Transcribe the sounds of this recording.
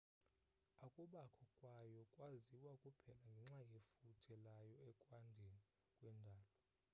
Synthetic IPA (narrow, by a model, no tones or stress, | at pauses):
akʼuɓakʰɔkʼwajɔkʼwaziwakʼupʰɛlaŋɡʱɛŋ͡ǁajefutʰɛlajɔɛkʼwandʱeni | kʼwɛndʱaːlɔ